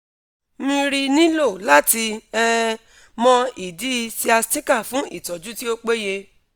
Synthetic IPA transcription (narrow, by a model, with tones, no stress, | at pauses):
mĩ˧ɾi˧nĩ˦lo˦˨la˦ti˧ɛ˦ | mɔ̃˧i˨di˨˦˧si˧a˧sti˦ka˦˨fũ˨˦i˦˨tɔ˨d͡ʒu˦ti˦o˦k͡pe˦je˧